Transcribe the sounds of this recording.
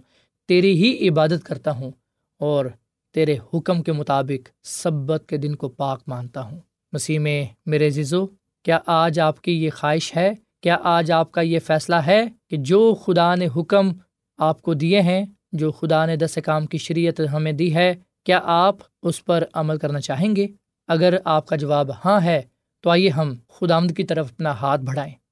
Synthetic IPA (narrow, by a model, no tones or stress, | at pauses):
t̪eːɾiɦiʔɪbaːd̪ət̪kɐɾt̪aɦũː | ɔːɾ | t̪eːɾehʊkəmkemʊt̪aːbɪqsɐbːət̪̚ked̪ɪnkopaːqmãːnt̪aɦũː | mɐsiːɦmẽmeːɾezɪzo | kjaːʔaːd͡ʒaːpkijexaːɦɪʃɦɛ | kjaːʔaːd͡ʒaːp̚kajefɛːslaɦɛked͡ʒoːxʊd̪aneɦʊkəm | aːp̚kod̪ieɦɛ̃ | d͡ʒoːxʊd̪aned̪ɐsekaːmkiʃɐɾiːjət̪ɦɐmẽd̪iɦɛ | kjaːʔaːp | ʊspɐɾɐməlkɐɾnat͡ʃaːɦẽːŋɡeː | ɐɡəɾaːp̚kad͡ʒɐʋaːbhãɦɛ | t̪oaːijeɦɐmxʊd̪aːʋənd̪̚kit̪ɐɾəfɐpnaɦaːt̪̚ʰbʱɐɽaːẽː